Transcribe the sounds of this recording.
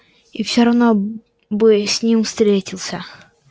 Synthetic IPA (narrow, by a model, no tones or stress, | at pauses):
ifsʲoɾɐvno | bɨsʲnʲimst̪ɾʲetʲɪlˠsʲə